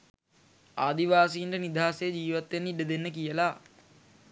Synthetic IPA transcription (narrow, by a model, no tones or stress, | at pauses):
aːd̪iʋaːsiːɳɖənid̪ʱaːsejəd͡ʒiːʋat̪ːʋenːiɖəd̪enːəkijəla